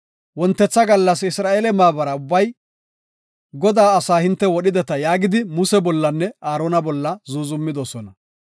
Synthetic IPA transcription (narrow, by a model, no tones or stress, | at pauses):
wɔnt̪ːɛt͡sːɐɡɐlːɐsɪsɾaːʔeːlɛmaːbɐɾɐʊbːɐj | ɡɔd̪aːɐsaːhɪnt̪ːɛwɔɗɪd̪ɛt̪ɐjaːɡɪd̪ɪmʊsɛbɔlːɐnːɛaːɾoːnɐbɔlːɐzuːzʊmːɪd̪osɔnɐ